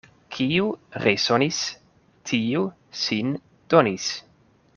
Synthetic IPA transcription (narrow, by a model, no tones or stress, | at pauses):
kʰiuɾesonis | tʰiu | sin | d̪̥onis